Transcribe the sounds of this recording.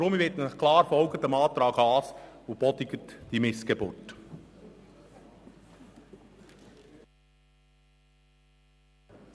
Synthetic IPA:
ɾʊmiʋɪtnχkʰlɑːɾfɔlɡətəmɑːt̪ɾɑːɡɑːsob̥ɔdɪɡətd̥imɪsɡ̥ebʊːrt

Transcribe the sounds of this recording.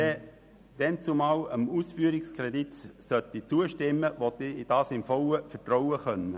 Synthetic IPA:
ɛ | d̥ɛnt͡sumaːwəmuːsfyːəɾɪkskʁɛditsœtit͡suːəʃtɪmːəʋot̪id̥ɑːsɪmfɔwəfətrɔʊwəχœnə

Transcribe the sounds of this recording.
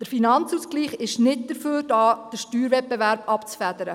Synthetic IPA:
d̥əɾfinɑnt͡suːskliːχɪʃnɪt̚d̥əɾføːɾd̥ɑːd̥əʃtyːɾvɛt̚b̥ɛvæɾb̥ɑpt͡sfæd̪əɾə

